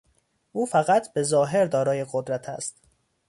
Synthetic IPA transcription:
ʔuːfæɣæt̪ʰbe̞zɒːɦe̞ɾd̪ɒːɾɒːje̞ɣod̪ɾæt̪ʰæ̰st̪

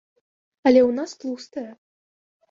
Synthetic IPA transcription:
ɐlʲɛwnast̪lˠust̪ɐjɐ

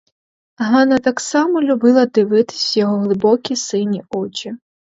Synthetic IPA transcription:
ɦɑnɐt̪ɑksɑmɔlʲʊbɪlˠɐd̪ɪʋɪt̪ɪ̥sʲjɔɦɔɦlˠɪbɔkʲisɪnʲiɔt͡ʃʲi

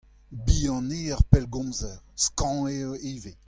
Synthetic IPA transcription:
biːɑ̃neːaʁpɛlɡɔ̃zɛʁskɑ̃eoeve

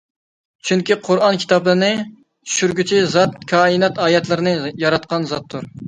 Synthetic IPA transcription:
t͡ʃʰyŋkʲiqʰʊɾɑnkʲʰi̥t̪ɑblˠɨnɨ | t͡ʃʰy̥ʃyɾɡʲyt͡ʃʰizɑt̪kʲʰɑːinɛt̪ɑːjɛt̪lˠɨɾɨnɨjɑɾɑt̪̚qɑnzɑt̪ʰːʊɾ

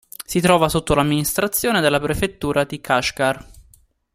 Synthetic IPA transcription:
sit̪ɾɔːvasot̪ːolamːinist̪ɾat̪sːjoːned̪elːapɾefet̪ːuːɾad̪ikʰaʃkar

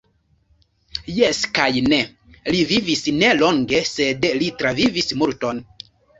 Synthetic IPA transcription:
jeskajne | livivisneloŋɡesedlitɾavivismuɾton

